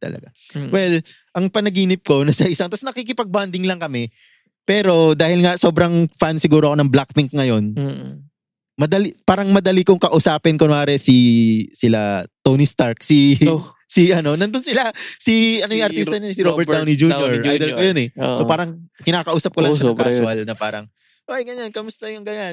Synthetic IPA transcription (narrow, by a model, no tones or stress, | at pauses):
t̪ɐ̰lɐ̰ɡa | wɛl | ʔɐŋpɐnɐɡiːnɪp̚ko̞nɐsɐʔɪsaŋt̪ɐsnɐkikɪpɐɡ̚band̪ɪŋlɐŋkɐmɛ | pɛːɾo̞d̪aːhɪlŋɐso̞ːbɾɐŋfansɪɡuːɾoɐkonɐŋblak̚fɪŋk̚ŋɐjo̞n | mɐd̪ɐlipaːɾɐŋmɐd̪ɐlikʊŋkɐʔʊsaːpɪnkonaːɾɛsisɪla̰t̪oːnist̪aɹksi | siʔɐno̞nɐnd̪onsɪlasiɐnojʊŋʔɐɾisɐnɐnsiɾobɛɾt̪awnɪd͡ʒuːoɹʔajd̪ɛlkojonɛsopaːɾɐŋkɪnaːkɐʔuːsɐp̚kolɐŋɐkʊɐlnɐpaːɾɐŋ | ʔoʔɐjɡɐɲankɐmʊst̪ɐjʊŋɡɐɲan